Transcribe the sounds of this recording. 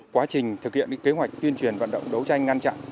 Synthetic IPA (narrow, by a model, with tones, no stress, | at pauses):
kwaː˨˦t͡ɕï˨˩ŋ̟t̪ʰɨ˨˩k̚hi˧˨əʔɨ̰ː˧˦˥ke˨˦ɦwa˨˩jk̟̚t̪wi˧ənt͡ɕwi˨˩ənva̰ː˧˨nɗə̰˧˨wŋ͡mɗə˨˦wt͡ɕa˧jŋ̟ŋa˧nt͡ɕa̰˧˨ʔ